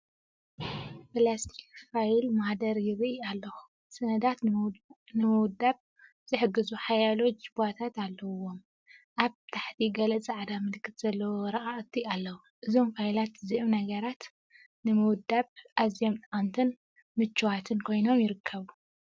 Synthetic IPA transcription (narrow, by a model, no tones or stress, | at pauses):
pɨlast̪ʰi̥kfajlmad̪ɐɾjɪɾʔialːɐxu̥ | sɐnɐd̪at̪ | nɨmɨwd̪aβ̚ | z̥ɨħɨɡːɨzuħajalo̞d͡ʒɨbat̪ʰat̪alːɐwo̞m | ʔaβt̪ʰaħt̪ʰiɡɐlɐzɨʕd̪amɨlkʰːɨt̪z̥ɐlːɐwoɾɐʔaʔɨt̪ʰːialːɐwu | ʔɨzo̞mfajlat̪ɨziʔomnɐɡɐɾat̪ | nɨmɨwʊd̪aβʔazijomt̪ʼant̪ʰɨn | mɨt͡ʃːuwat̪ʰɨnkʰo̞jno̞mjɪɾɨkʰːɐβu